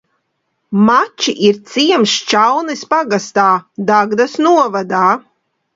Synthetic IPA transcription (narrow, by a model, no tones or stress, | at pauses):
mat͡ʃiʔiɾt̪siɛmst͡ʃawnɨspaɡast̪aːd̪aɡd̪asnuɔvad̪aː